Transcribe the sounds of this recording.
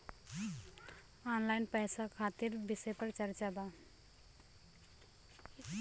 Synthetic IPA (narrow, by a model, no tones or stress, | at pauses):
anlaɪnpɛjsakʰat̪iɾbisɛpəɾt͡ʃəɾt͡ʃaba